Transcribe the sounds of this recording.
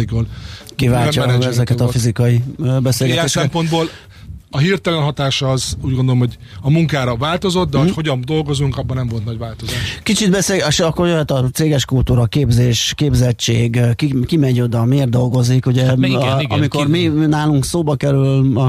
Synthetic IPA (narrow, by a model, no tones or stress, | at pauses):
ɡolkivaːlɒɛɛzɛkɛt̪ɒfizikɒibɛselɡɛtɛeːʃɛsɛkɛmpo̞nd̪boːl | ɒɦirt̪ɛlɛnɦɒt̪aːʃɒːzuːɟɡond̪olomhoɟ | ɒmuŋkaːɾɒvaːlt̪o̞zot̪̚d̪ɛhoho̞ɟɒnd̪o̞lɡo̞zuŋkɒbːɒnɛmvo̞lt̪nɒɟvaːlt̪ozaːʃkit͡ʃid̪̚bɛseːlɡʃɒkːorjøɦɛt̪ɒt̪seːɡɛʃkult̪uːɾɒkeːbzeːʃkeːbzɛt͡ʃeːɡkikimɛɲo̞d̪ɒmeːrd̪d̪o̞lɡo̞zikuɟɛɒ̰mikorminaːluŋksoːbɒkɛɾylɒ